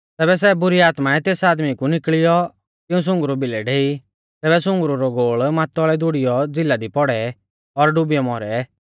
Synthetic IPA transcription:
t̪ɛːbɛs̬ɛbʊɾiaːt̪maɛt̪eːsaːd̪mikunɪkɭɪjɔ | t̪ɪ̃ũs̬ʊ̃ŋɡɾubɪlɛɖeːi | t̪ɛːbɛsʊ̃ŋɡɾuɾɔɡoːɭmaːt̪ɔɭɛd̪ʊɽɪjɔd͡zɪlːad̪ipɔɽɛ | ɔɾɖʊbɪjɔmɔɾɛ

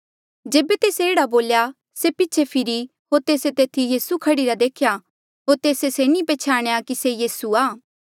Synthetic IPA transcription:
d͡ʒeːbet̪eːseːɽaboːlja | sepɪtːt͡ʃʰepʰɪɾi | ɦoːɾt̪eːset̪eːt̪ʰijiːsukʰɐɽiɾad̪eːkʰja | ɦoːɾt̪eːseseːñĩpeːt͡ʃʰaːɽ̃ejakisejiːsuaː

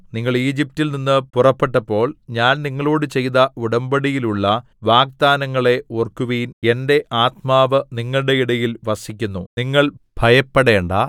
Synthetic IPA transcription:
niŋːɐɭiːd͡ʑip̚tilninːɨpurɐpːe̞ʈːɐpːo̞ːɭɲaːnniŋːɐɭo̞ːɽɨt͡ɕe̞jðɐuɽɐmbɐɽijiluɭːɐ | ʋaːk̚d̪aːnɐŋːɐɭe̞orkuʋijne̞nde̞ʔaːt̪̚maːʋɨniŋːɐɭɨɽe̞iɽɐjilʋɐsikʲːunːuniŋːɐɭbʱɐjɐpːeɽe̞ːɳɖa

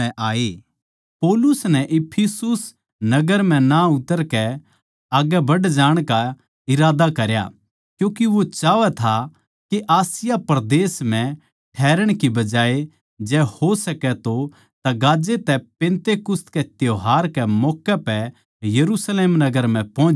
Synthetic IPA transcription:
ɛ̃aːe | poːlʊsnɛʔɪpʰisʊs | nɐɡəɾm̤ɛ̃naʊt̪əɾkɛ | aːɡɛbɐɖd͡ʒaːɽ̃ka | ɪɾaːd̪akɐɾja̰ | kjũːkiʋot͡ʃaːʋɛt̪ʰa | keʔaːsɪjapɐɾd̪eːsm̤ɛ̃ | ʈʰɛːɾəɽ̃kibɐd͡ʒaːe | d͡ʒɛːhosɐkɛt̪o | t̪aɡaːd͡ʒet̪ɛpẽːnt̪ekʊst̪kɛt̪joɦaːɾkɛmɔːkːɛpɛ | jɐɾusleːmnɐɡəɾm̤ɛ̃pɔ̃ː

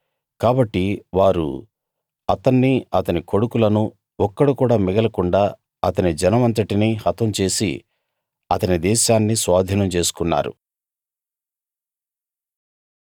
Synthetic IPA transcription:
kaːbɐʈːiʋaːɾṵ | ɐt̪ɐnːiɐt̪ɐniko̞ɽukulɐnu | ɔkːɐɽukuːɽaːmiɡɐlɐkuɳɖaː | ɐt̪ɐnid͡ʒɐnɐʋɐnt̪ɐʈinihɐt̪ʋɐmt͡ʃe̞ːsḭ | ɐt̪ɐnid̪ɛːʃaːnːisʋaːd̪ʱiːnɐmt͡ʃe̞ːsu̥kunːa̰ːɾṵ

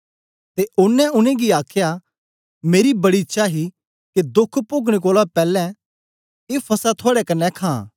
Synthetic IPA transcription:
t̪eʔʊnːɛ̃ʊnẽɡiaːkʰja | meːɾibɐɽiɪtːʃʰaɦi | ked̪ʊkʰpʊɡɽ̃ek̬oːlapɛːlɛ̃ | eːpʰɐsat̪ʰoːɽɛkɐnːɛkʰãː

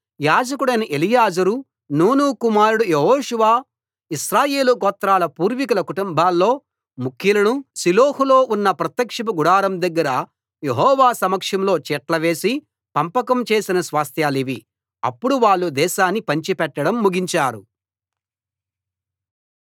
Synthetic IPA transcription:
jaːd͡ʒɐkuɽɐjnɐʔelijaːd͡ʒɐɾu | nuːnukumaːɾuɽujeɦoːʂuʋaː | isɾaːje̞ːlukɔːt̪ɾaːlɐpuːɾʋikulɐkuʈumbʱaːlːo̞ː | mukʰjɐlɐnusiloːhulo̞ːʔunːɐpɾɐt̪jɐkʂɐpuɡuɽaːɾɐmd̪ɐɡːɐɾɐ | jeɦɔːʋaːsɐmɐkʂɐmlo̞ːt͡ʃɛːʈlɐʋe̞ːsi | pɐmpɐkɐmt͡ʃe̞ːsinɐsʋaːst̪ʰjaːliʋi | ɐ̰pːuɽuʋaːɭːud̪ɛːʃaːnːipɐɲt͡ʃipɛʈːɐɽɐmːuɡiɲt͡ʃaːɾṵ

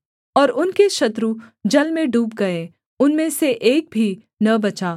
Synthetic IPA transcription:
ɔːɾʊnkeʃɐt̪ɾud͡ʒɐlmẽɖuːp̚ɡɐe | ʊnmẽseʔeːk̚bʱi | nɐbɐt͡ʃaː

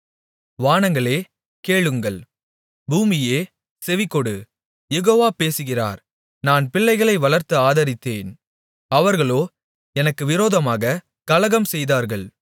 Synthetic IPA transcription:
ʋaːnɐŋɡɐɭeː | keːɭɯŋɡɐɭ | buːmɪjeː | sɛʋɪkːɔɽɯ | jɛɣoːʋaːpeːsɯɣɪra̰ːɾ | naːnpɪɭːɐɪɣɐɭɐɪʋɐɭɐɾt̪ɯaːðɐɾɪt̪ːeːn | ɐʋɐɾɣɐɭoː | ɛnɐkːɯʋɪɾoːðɐmaːɣɐ | kɐlɐɣɐmsɛjðaːɾɣɐɭ

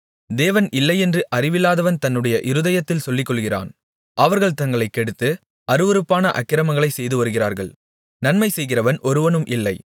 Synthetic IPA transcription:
d̪eːʋɐnɪlːɐɪɛndrɯʔɐrɪʋɪlːaːðɐʋɐnt̪ɐnːɯɽɐjɐʔɪɾɯðɐjɐt̪ːɪlsɔlːɪkːɔɭɣɪra̰ːn | ʔɐʋɐɾɣɐɭt̪ɐŋɡɐɭɐɪkːɛɽɯt̪ːɯ | ɐɾɯʋɐɾɯpːaːnɐʔɐkːɪɾɐmɐŋɡɐɭɐɪsɛjðɯʋɐɾɯɣɪra̰ːɾɣɐ̰ɭ | nɐnmɐɪsɛjɣɪrɐʋɐnʔɔɾɯʋɐnɯmʔɪlːɐɪ

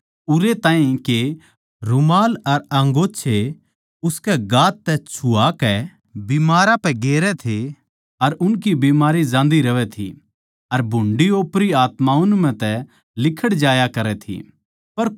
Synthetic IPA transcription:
ʊɾet̪ãːĩke | ɾʊmaːlɐɾɐ̃ŋɡoːt͡ʃʰe | ʊskɛɡaːt̪ːɛt͡ʃʰʊakɛ | bimaːɾapɛɡeːɾɛt̪ʰe | ɐɾʊnk̬ibiːmaːɾid͡ʒãːnd̪iɾɐʋɛt̪ʰḭ | ɐɾbʱʊɳɖioːpɾiaːt̪maʊnmɛ̃t̪ɛ | lɪkʰəɽd͡ʒaːjakɐɾɛt̪ʰḭ | pɐɾ

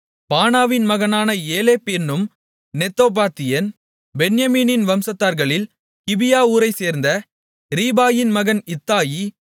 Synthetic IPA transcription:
paːnaːʋɪnmɐɣɐnaːnɐeːleːpɛnːɯm | nɛt̪ːoːp̬aːt̪ːɪjɐn | bɛnjɐmiːnɪnʋɐmsɐt̪ːaːɾɣɐɭɪl | kɪbɪjaːuːɾɐɪseːɾnd̪ɐ | ɾiːbaːjɪnmɐɣɐnɪt̪ːaːji

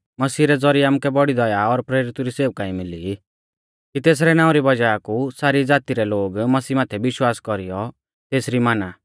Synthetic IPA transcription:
mɐsiːɾɛd͡zɔɾiaːmukɛbɔɽid̪ɔjaɔɾpɾeːɾɪt̪uɾiseːʋkaĩmɪli | kit̪eːs̬ɾɛnãːʊ̃ɾibɐd͡ʒaakusaːɾid͡zaːt̪iɾɛloːɡmɐsiːmaːt̪ʰɛbɪʃwaːskɔɾijɔ | t̪eːsɾimaːnaː

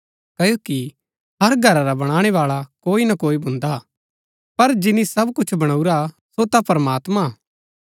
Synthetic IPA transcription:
kɐjoːki | ɦɐɾɡʱɐɾaɾabɐɽ̃aːɽ̃eʋaːɭakoːinɐkoːibʱʊ̃nd̪a | pɐɾd͡ʒɪnisɐbkʊt͡ʃʰbɐɽ̃auɾa | sot̪apɐɾəmaːt̪ma

